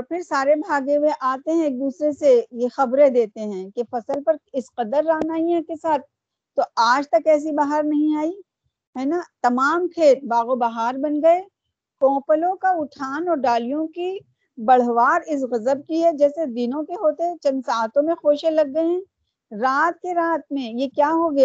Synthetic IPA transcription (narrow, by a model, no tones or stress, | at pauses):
ɔːɾpʰɪɾsaːɾebʱaːɡẽʋeʔaːt̪eɦɛ̃eːk̚d̪uːsɾesejexɐbɾed̪eːt̪eɦɛ̃ːkefɐsəlpɐɾɪsqɐd̪əɾːaːnaːiɛ̃kesaːt̪̚ʰ | t̪ːoaːd͡ʒt̪ɐkɛːs̬ibaːɦaɾnɐɦĩaːi | ɦɛːnat̪ɐmaːmkʰeːt̪̚baːɣobɐɦaːɾbɐnɡɐe | kɔ̃ːpəlõkaʊʈʰaːnɔːɾɖaːlijõki | bɐɽ̤ʋaːɾɪs̬ɣɐzəb̚kiɦɛd͡ʒɛːsed̪ɪnõkeɦoːt̪eɦɛ̃t͡ʃɐ̃nd̪saːt̪õmẽxoːʃelɐɡːəeɦɛ̃ː | ɾaːt̪̚keɾaːt̪̚mẽjekjaːɦoːɡ